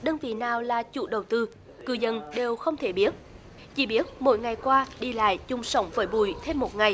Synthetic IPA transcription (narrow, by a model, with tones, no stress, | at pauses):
ɗəː˧nvḭ˧˨naː˨˩wlaː˨˩t͡ɕṵ˧˩ɗə˨˩wt̪ɨ˧ | kɨ̰˧˩zə˧˨nɗe˨˩wxə˧wŋ͡mt̪ʰe˧˩˦ɓi˦˥ət̚ | t͡ɕḭ˧˩ɓi˦˥ət̚mo̰˧˦jŋa˨˩jkwaː˧ɗi˧la̰ː˧˨jt͡ɕʊ˨˩ŋ͡msə˧˦wŋ͡mvəː˨˦jɓṵ˧˩jt̪ʰe˧mːo˨˩t̚ŋa˨˩j